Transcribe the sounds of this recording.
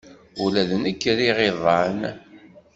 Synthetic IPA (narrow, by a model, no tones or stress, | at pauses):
ulæðənəkːɾiʁeðˤɑn